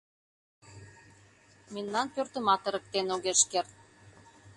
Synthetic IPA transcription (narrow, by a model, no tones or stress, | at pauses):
mennɑnpørt̪ə̆mɑt̪ə̆ɾə̆k̚t̪enoɣeʃkert̪̚